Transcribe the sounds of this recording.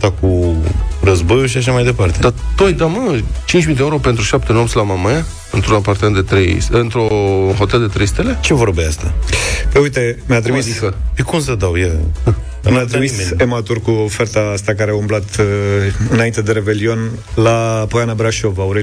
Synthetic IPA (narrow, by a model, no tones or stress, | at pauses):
t̪aku | rəzbo̞juʃ̬iaʃ̬amajd̪e̞part̪ed̪at̪ojd̪amət͡ʃint͡ʃʲmid̪eeuɾopent̪ɾuʃapt̪enomsʲlamamaja | ɨnt̪ɾunapart̪əmend̪et̪ɾejsɨnt̪ɾoxo̞t̪eld̪e̞t̪ɾe̞jst̪e̞le̞t͡ʃevo̞ɾbeast̪apəjujt̪e̞mjat̪ɾimiskəekumsəd̪awje | mjat̪ɾimisemat̪urkuofert̪aast̪akaɾeaumblat̪ | ɨnaint̪e̞d̪e̞ɾe̞be̞lio̞n | lapojanəbɾaʃo̞vauɾe